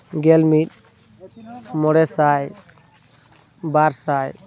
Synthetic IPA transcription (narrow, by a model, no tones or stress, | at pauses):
ɡɛlmit̪̚ | mɔɽɛsaj | baɾsaj